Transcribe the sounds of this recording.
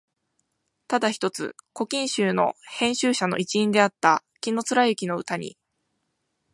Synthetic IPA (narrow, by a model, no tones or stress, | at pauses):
t̪ad̪açi̥t̪o̞t͡sɨ̰ko̞kʲĩɰ̃ɕɨːno̞̰hẽ̞ɰ̃ɕɨːɕano̞̰ʔit͡ɕiĩnd̪e̞at̪ːa | kʲino̞t͡sɨɾajɯ̟kʲino̞ɯ̟t̪aɲ̟ḭ